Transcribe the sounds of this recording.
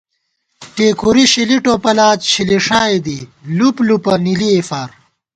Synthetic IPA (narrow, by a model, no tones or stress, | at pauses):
ʈeːkʰuɾiɕiliʈoːpɐlaːt̪ɕiliʂaːed̪iluplupɐniliefaːɾ